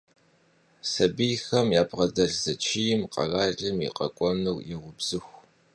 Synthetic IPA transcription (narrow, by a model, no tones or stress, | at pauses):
sɐbijxɐmjaːbʁɐdɐrzɐt͡ʃʰijɪmqʼɐ̰raːɮɨmḭqɐ̰kʷʼɔnɨwjɛʁʷʊbz̥ɨxʷ